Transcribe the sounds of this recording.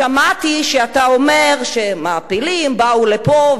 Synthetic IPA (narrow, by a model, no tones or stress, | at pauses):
amat̪iʃeat̪ao̞me̞ʁʃemaːpilimbaulepo